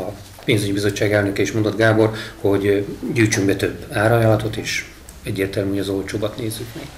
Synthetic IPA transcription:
ɒ | peːnzyɟibizo̞t͡ʃːaːɡɛlnøkɛiʃmond̪o̞d̪ɡaːbo̞rho̞ɟɟyjt͡ʃyŋbɛt̪ø̞bːaːɾɒjɒlɒt̪ot̪eːʃ | ɛɟːeːrt̪ɛlmyojɒzo̞lt͡ʃoːbɒt̪neːzːykmɛɡ̥

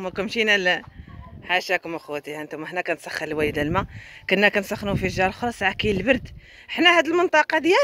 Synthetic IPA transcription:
mækæmʃinæl | ħaʃækʊməxwæt̪ihənt̪ʊməħnækænt̪sæxːəɾlwæjd̪ælmækʊnːækænsæxnufiʒːɑɾˤlxolɑsˤʕakiəlbəɾd̪ | əħnæhæd̪əlmənt̪ˤɑqɑd̪jæ

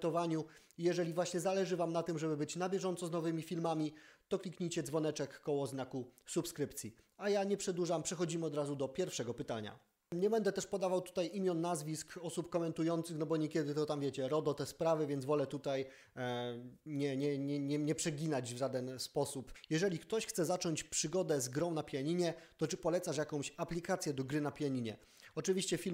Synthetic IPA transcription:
t̪ɔvaɲu | ijɛʐɛlʲivwaɕɲɛzalɛʐɘvamnat̪ɘmʐɛbɘbɘt͡ɕnabʲjɛʐɔnt̪sɔznɔvɘmʲifʲilmamʲit̪ɔklʲikɲijt͡ɕɛd̪zvɔnɛt͡ʂɛkːɔwɔznakusupskɾɘpt̪sʲji | ajaɲɛpʂɛd̪uʐampʂɛxɔd͡ʑimɘɔd̪ɾazud̪ɔpʲjɛɾfʂɛɡɔpɘt̪aɲa̰ | ɲɛbɛnd̪ɛt̪ɛʂpɔd̪avawt̪u̥t̪ajʔimʲjɔnːazvʲiskɔsupkɔmɛnt̪ujɔnt̪sɘxnɔbɔɲɛkʲjɛd̪ɘt̪ɔt̪amvʲjɛt͡ɕɛɾɔd̪ɔt̪ɛspɾavɘvʲjɛnd̪zvɔlɛt̪ut̪aj | ɲɛɲɛɲɛɲɛɲɛpʂɛɡʲinad͡ʑvʐad̪ɛnspɔsupjɛʐɛlʲikt̪ɔɕxt̪sɛzat͡ʂɔɲt͡ɕpʂɘɡɔd̪ɛzɡɾɔ̃w̃napʲjaɲiɲɛt̪ɔt͡ʂɘpɔlɛt̪saʂ̬jakɔ̃w̃ɕaplʲikat̪sʲjɛd̪ɔɡɾɘnapʲjaɲiɲɛ̰ | ɔt͡ʂɘvʲiɕt͡ɕɛfʲil

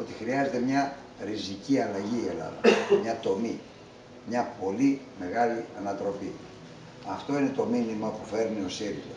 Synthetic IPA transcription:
o̞t̪i̥xɾiɐze̞t̪e̞mɲɐ | ɾiziciɐlɐʝielɐ̰ðɐ̰mɲɐt̪o̞mi | mɲɐpo̞li | me̞ɣɐliɐnɐt̪ɾo̞pi | ɐft̪o̞ine̞t̪o̞minimɐpufe̞ɾnio̞siɾilo

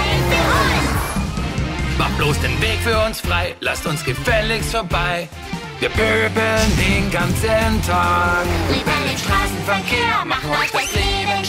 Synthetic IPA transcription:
maχ̚b̥loːsd̥eːnveːkfyːɐʊnsfʁ̥aɪla̰stʊnsɡ̥əfɛlɪçsfɔɐbaɪ | v̥iːɐb̥øbəndeːnɡant͡səntʰakɪvɛdənʃtʁ̥aːsn̩fɛɐkʰeːmaχnafɛʁeː

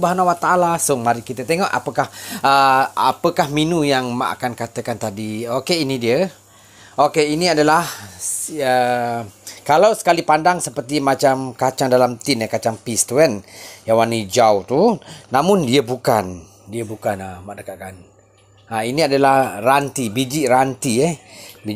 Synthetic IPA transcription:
ubaɦanawat̪aʔalasʊŋmaɾikit̪ət̪eŋɔʔa̰pəkahəa̰pəkahminũjaŋma̰ʔa̰kankat̪əkant̪adiokeinidiə | okeiniadəlah | ə | kalawsə̥kalipandaŋsəpərt̪imat͡ʃamkat͡ʃaŋdalamt̪ɪnakat͡ʃaŋpist̪uɛnjawanid͡ʒawt̪unamʊ̃ndiəbukan | diəbukanamaʔdəkaʔ̚kan | ainiadəlahrant̪ibid͡ʒiʔrant̪iɛhbi

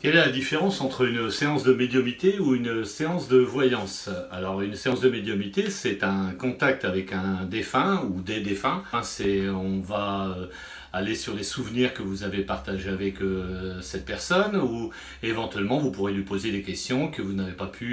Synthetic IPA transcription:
kʲɛlɛlad̪ifeʁɑ̃sɑ̃t̪χəynseɑ̃sd̪əmed̪jɔmit̪euynseɑ̃sd̪əvwajɑ̃salɔʁynseɑ̃sd̪əmed̪jɔmit̪esɛt̪ɛ̃kɔ̃t̪ak̚t̪avɛkɛ̃d̪efɛ̃ud̪ed̪efɛ̃sɛɔ̃vaø | alesyʁlesuvniʁkəvuzavepaʁt̪aʒeavɛkøsɛt̪̚pɛʁsɔnu | evɑ̃t̪ɥɛlmɑ̃vupuʁelɥipozed̪ekʲɛst̪jɔ̃kəvunavepapʰy

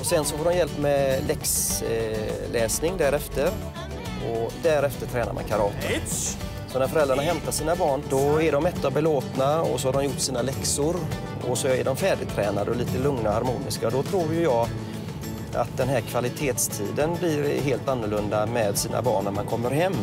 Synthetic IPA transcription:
ɔsɛnsɔfoːɖɔmjɛlpːmɛlɛks | lɛːsnɪŋd̪æɾɛft̪əɾ | ɔd̪æɾɛft̪ət̪ʰɾɛːnaɾma̰nkʰaɾɑːt̪ə | sɔnæɾfœɾɛld̪ɾaɳaɦɛmt̪aʂiːnabɑːɳd̪ɔæɖɔmɛt̪ːabɛloːt̪naɔ̰sɔhaɖɔmjʊʈːsiːnalɛksʊɾ | ɔ̰sɔæ̰ɖɔmfæːɖɪt̪ʰɾɛːnad̪əɔliːt̪əlɵŋnahaɾmuːnɪ̰skad̪ɔt̪ʰɾuːɾjɵjɑːɡ | ʔa̰t̪̚d̪ɛnɦæːɾkʰvalɪt̪ʰeːt̪st̪ʰḭːd̪ənblɪɾɦeːlt̪anːʊɭɵnd̪amɛd̪siːna̰bɑ̰ːɳnæɾmankʰɔmːəɾɦɛmː

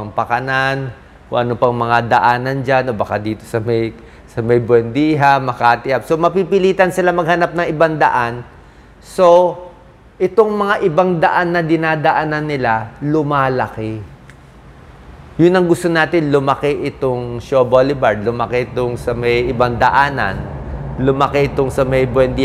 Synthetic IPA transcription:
ŋpɐkɐnan | ko̰ʔɐnopɐŋmɐŋad̪ɐʔaːnɐnd͡ʒanʔo̞bɐkad̪iːt̪o̞̥sɐmɐj | sɐmɐjbwɛnd̪iːɦamɐkat̪ɪʔapso̞mɐpipɪliːt̪ɐnsɪlamɐɡ̚hɐnap̚nɐŋɪbaŋd̪ɐʔan | so̞ | ʔɪt̪o̞ŋmɐŋaʔɪbaŋd̪ɐʔanːɐd̪ɪnad̪ɐʔaːnɐnːɪlalʊmaːlɐkɛ | jʊnːɐŋɡʊst̪onaːt̪ɪnlʊmɐkeʔɪt̪oŋʃobolɪbɐɹd̪̚lʊmɐkɛʔɪt̪oŋsɐmɐjʔɪbaŋd̪ɐʔaːnɐ̰nlʊmɐkɛʔɪt̪oŋsɐmɐjbwɛnd̪i

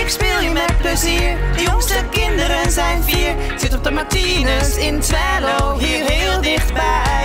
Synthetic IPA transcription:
ɪkspeːlˠmɛpləziːrdəjɔŋstəkɪndəɾənzɛjnfiːɹ | sɪtɔp̚dəmatinəsɪntʋɛːloɦiːrɦeːlˠdɪχtbɛj

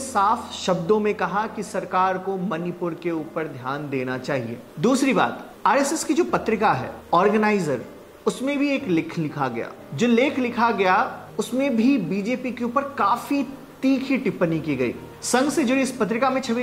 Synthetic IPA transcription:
saːfʃɐbd̪õmẽkɐɦakisɐɾkaːɾkomɐnɪpʊɾkeuːpəɾd̪ʱjaːnd̪eːnat͡ʃaːɦḭḛːd̪uːsɾiba̰ːt̪ | aːɾɛːsɛskid͡ʒoːpɐt̪ɾɪkaɦɛ̰ːɔːɾɡənaːɪzəɾ | ʊsmẽbʱieːklɪkʰlɪkʰaɡɐ̰ja̰ː | d͡ʒoːlɪːkʰlɪkʰaɡɐja | ʊsmẽbʱibiːd͡ʒeːpikeuːpəɾkaːfit̪iːkʰiʈɪpːnikiɡɐḭː | sɐ̃ŋɡsed͡ʒʊɾiɪspɐt̪̬ɾɪkamẽt͡ʃʰɐʋ

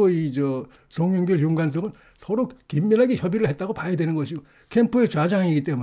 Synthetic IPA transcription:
oid͡ʑʌ | soŋjoŋɡʌɭjuŋɡans̬͈ʰʌɡɯn | sʰʌɾokimːʌnɦaɡeçjʌbiɾɯɭɦet̚t͈aɡopajedwe̞nɯnɡʌɕʰiɡo | kʰempʰuet͡ɕwad͡ʑaŋiɡit͈e̞mu

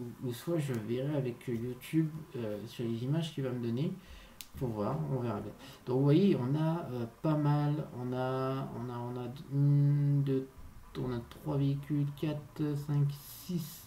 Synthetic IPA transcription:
uusfwaʒəveʁɛavɛkjut̪ʰybøsyʁlezimaʒkʲivaməd̪ɔne | puʁvwaʁɔ̰̃veʁabjɛ̰̃d̪̥ɔ̃kvwajeɔ̃naøpamalɔ̃naɔ̰̃naɔ̃nand̪øɔ̃nat̪χwaveikʲylkʲat̪sɛ̃ksis

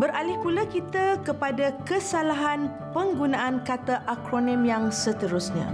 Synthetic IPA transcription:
bəɾalɪhpulakit̪akəpadakəsalaɦan | pəŋɡunãʔankat̪aʔakɾonĩmjaŋsət̪əɾusɲã̰

